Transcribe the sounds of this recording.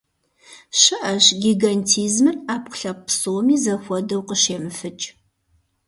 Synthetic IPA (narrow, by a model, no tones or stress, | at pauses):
ɕɨʔɐʃɡʲiːɡɐntʰiːzmɨraːpʷʊ̥ɬɐppsoːmiːzɐxʷɔdɐwqəɕeːmɨfɨt͡ʃʼ